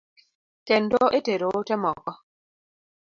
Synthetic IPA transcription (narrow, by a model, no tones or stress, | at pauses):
kɛn̩dɔʔeteɾotɛmɔkɔ